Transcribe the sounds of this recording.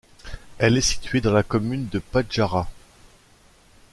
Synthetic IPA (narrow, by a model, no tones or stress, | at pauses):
ɛlɛsi̥t̪ɥed̪ɑ̃lakɔmynd̪əpaʒaʁa